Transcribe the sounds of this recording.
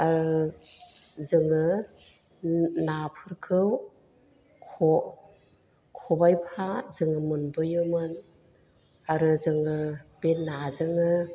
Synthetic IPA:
aɾɯ | zɯŋɯ | napʰɯɾkʰɯw | kʰɔ | kʰɔbajpʰazɯŋɯmɯnbɯjɯmɯn | aɾɯzɯŋɯbenːazɯŋɯ

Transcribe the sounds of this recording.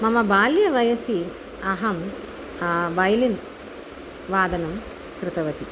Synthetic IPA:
mɐmɐbaːljɐʋɐjɐsi | ɐɦɐm | ʋɐjɐlin | ʋaːd̪ɐnɐm | kɾɪt̪ɐʋɐt̪i

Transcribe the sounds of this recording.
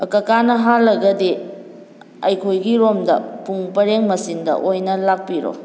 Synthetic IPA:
ɐkɐkanɐɦalːɐɡɐdi | ɐjkʰojɡiɾomdɐpuŋpɐɾeŋmɐsindɐ̰ʔojnɐlak̚piɾo̰

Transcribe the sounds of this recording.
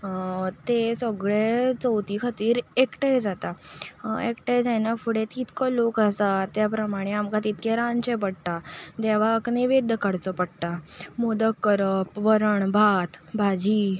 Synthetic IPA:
t̪esəɡɭet͡səwt̪iːkʰət̪iːɾekʈajd͡zat̪a | ekʈajd͡zajnafuɽẽt̪it̪kɔlokasat̪ːjapɾəmaɽ̃eamkat̪it̪̚keɾãnt͡ɕẽpəɽt̪ad̪eʋ̤aəkneʋed̪əkaɽt͡sɔpəɽʈ̪amod̪əkːəɾəpʋəɾəɳbʱat̪bʱad͡ʑiː

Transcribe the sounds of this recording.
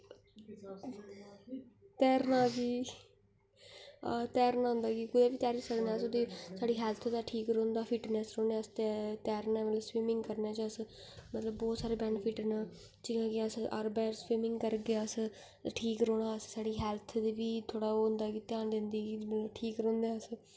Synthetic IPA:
t̪ɛːɾnaːɡiː | at̪ɛːɾnãːɦʊ̃nd̪aːɡiːkʊd̪eːbiːt̪aːɾisəɽnẽːsʊd̪eːsaːɖiːɦɛːlt̪ʰd̪aːʈʰiːkɾõːnd̪aːpʰɪʈnɛːsɾoːneːəst̪ɛt̪ɛːɾnaːmət̪ləbswiːmɪ̃ŋɡkəɾnɛːt͡ʃəs | mət̪ləbːɔːt̪saːɾeːbɛːnpʰɪʈnaː | d͡ʒɪãːkɪəsə̰ɾbɛːswiːmɪ̃ŋɡkəɾɡeəs | ʈʰiːkɾoːɽaːəssaːɽiːɦɛːlt̪ʰd̪eːbiːt̪ʰoːɽaːʊ̃nd̪aːkiːt̪jaːnd̪ɪ̃nd̪iːɡiːməəʈʰiːkɾõːnd̪ɛːəs

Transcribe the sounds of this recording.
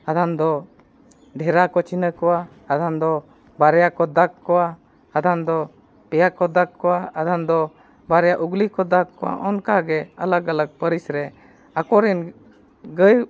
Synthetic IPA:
ad̪ʱand̪ɔ | ɖʱɛɾakɔt͡ʃinəkɔwaː | d̪and̪ɔ | baɾɛjakɔd̪akːkːɔwaː | d̪ʱand̪ɔ | pɛjakɔd̪akːɔwaad̪and̪ɔ | baɾɛjaʔuɡlikɔd̪akkːɔwa̰ʔɔnkaɡɛalaɡaləɡ̚pəɾisɾɛ | akɔɾɛn | ɡəj

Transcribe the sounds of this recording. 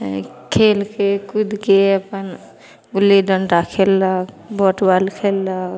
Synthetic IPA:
kʰelkekud̪ʱkeəpən | ɡulːiɖənɾakʰelːak | bɔʈbalkʰelːak

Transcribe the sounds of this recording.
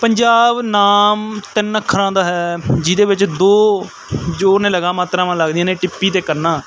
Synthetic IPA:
pəɲd͡ʒaːbnaːmt̪ɪnːəkʰːəɾãːd̪aːɦɛːd͡ʒɪd̪eːʋɪt͡ʃd̪oː | d͡ʒoːnẽːləɡaːmaːt̪ɾãːʋãːləɡd̪ijãːnẽːʈɪpːiːt̪eːkəɾnaː

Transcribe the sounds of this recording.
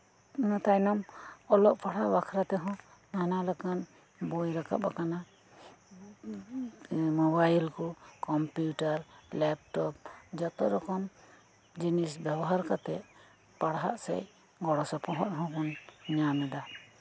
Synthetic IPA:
nat̪ajnɔmɔlɔʔpʰaɽaʔwakʰɾat̪ɛɦɔ̃ | nanaləkan | bɔjɾaka̰ʔbakana | mɔbajlkɔkɔmpjuʈaɾlɛp̚ʈɔp̚d͡ʒɔt̪ɔɾɔkɔm | d͡ʒinisbjabɔɦaɾkat̪ɛʔ | paɽɦa̰ʔsɛ̰j | ɡɔɽɔsɔpɔɦɔt̪ɦɔ̃kɔnɲamɛd̪a

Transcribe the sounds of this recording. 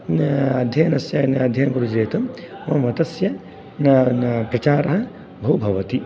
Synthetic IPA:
ɐd̪ʱjɐnɐsjɐnɐd̪ʱjɐnɐɡuɾud͡ʒeːt̪ɐmmɐmʋɐt̪ɐsjɐ | npɾɐt͡ʃaːɾɐɦɐ | bʱɐʋwbʱɐʋɐt̪i

